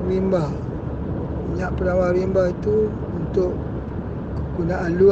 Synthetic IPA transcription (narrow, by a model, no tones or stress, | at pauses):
ɾimba | miɲaʔpənawaɾimbahit̪uː | nt̪ʊʔ | kukunaʔalu